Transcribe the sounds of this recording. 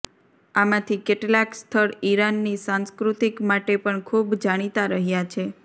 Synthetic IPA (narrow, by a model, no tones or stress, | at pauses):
amãt̪ʰikeʈlakst̪ʰəɾiɾanːisãnskɾut̪ikmaʈepəɳkʰubd͡ʒaɽ̃it̪aɾəɦjat͡ʃʰe